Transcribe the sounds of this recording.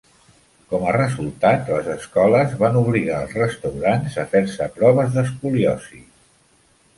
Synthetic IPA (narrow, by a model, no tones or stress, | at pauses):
kɔmərəzulˠt̪at̪ləzəskɔləzβanuβ̞liɣaəlˠzsrəst̪əwɾanzəfeɾsəpɾɔβəzðəskuliɔsi